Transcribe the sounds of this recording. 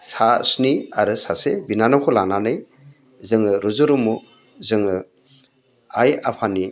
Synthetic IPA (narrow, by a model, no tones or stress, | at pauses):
sasniaɾɯsasebinanɔwkʰɔlaŋnanɯj | zɯŋɯɾuzɯɾumu | zɯŋɯ | ajapʰani